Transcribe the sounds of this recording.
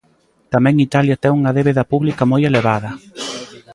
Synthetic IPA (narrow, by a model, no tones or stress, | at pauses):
t̪amɛ̃ŋit̪aljɐt̪ɛuŋɐðeβeðɐpuβlikamojeleβ̞aðɐ